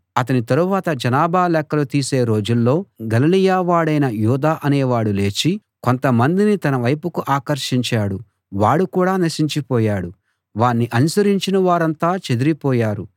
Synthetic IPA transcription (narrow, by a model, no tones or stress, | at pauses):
ɐt̪ɐnit̪ɐɾuʋaːt̪ɐd͡ʒɐnaːbaːlɛkːɐlut̪iːse̞ːɾo̞ːd͡ʒulːo̞ːɡɐlilijaːʋaːɽɐjnɐjuːd̪aːʔɐne̞ːʋaːɽule̞ːt͡ʃi | ko̞nt̪ɐmɐnd̪init̪ɐnɐʋɐjpukuʔaːkɐɾʃiɲt͡ʃaːɽu | ʋaːɽukuːɽaːnɐʃiɲt͡ʃipɔːjaːɽu | ʋaːnːiʔɐnusɐɾiɲt͡ʃinɐʋaːɾɐnt̪aːt͡ʃe̞d̪uɾipɔːjaːɾu